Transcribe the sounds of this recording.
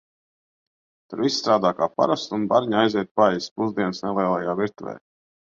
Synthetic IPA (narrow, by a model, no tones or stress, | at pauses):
t̪aɾvissːt̪ɾaːd̪aːkaːpa̰ɾast̪unbaɾɲajzɛt̪̚paɛjspuzd̪iɛnsnɛlɛjlˠɛjaːviɾt̪uvɛ̰ː